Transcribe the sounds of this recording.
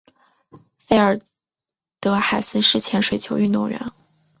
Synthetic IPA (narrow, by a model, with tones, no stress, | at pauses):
fe˥˩ə˞˨˩ | t̪ɤ˧˥xa˨˩ɪsɹ̩˥˧ʂɻ̩˥˩t͡ɕʰjɛ˧˥nʂwe˨˩ɪt͡ɕʰjo˧˥y˥˧nt̪ʊ˥˩ŋɻə̰˧˥n